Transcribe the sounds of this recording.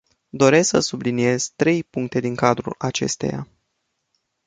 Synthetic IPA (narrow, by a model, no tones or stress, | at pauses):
d̪o̞ɾe̞sksəsublinije̞z̥t̪ɾe̞jpuŋk̚t̪e̞d̪iŋkad̪ɾṵlat͡ʃe̞̰st̪e̞̰ja̰